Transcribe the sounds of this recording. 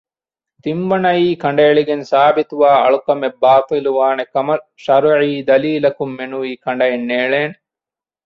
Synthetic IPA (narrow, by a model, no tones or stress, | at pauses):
t̪imbɐnɐjiːkɐɳɖɐeɭiɡensaːbit̪uʋaːɐ̰ɭukɐmebːaːt̪iluʋaːnekɐmɐʃɐɾʕiːd̪ɐliːlɐkumːenuiːkɐɳɖɐjenːeːɭeːn